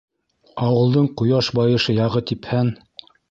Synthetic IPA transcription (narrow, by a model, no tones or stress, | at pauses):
ɑwɤ̆lˠd̪ɤɴqŭjɑʃbɑjɤ̆ʃɤjɑʁɤt̪iphæn